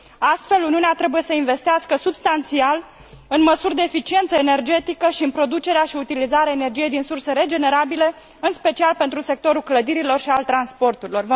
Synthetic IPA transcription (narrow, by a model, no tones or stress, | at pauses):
ast̪fe̞luniuneat̪ɾe̞buje̞səinve̞st̪easkəsubst̪ant̪sial | ɨnməsurʲd̪e̞ːfit͡ʃie̞nt̪səene̞rd͡ʒe̞t̪ikəʃiɨnpɾo̞d̪ut͡ʃe̞ɾeaʃiut̪ilizaɾeaene̞rd͡ʒije̞jd̪insurseɾe̞d͡ʒe̞ne̞ɾabile̞ | ɨnspe̞t͡ʃialpe̞nt̪ɾuse̞k̚t̪o̞ɾulkləd̪iɾilo̞rʃialt̪ɾanspo̞rt̪uɾilo̞rv